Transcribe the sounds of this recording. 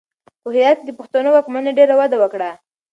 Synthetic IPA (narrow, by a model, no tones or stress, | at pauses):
xəɦijat̪̚d̪əpʊxt̪anowakmaneɖeɾawad̪awəkɽa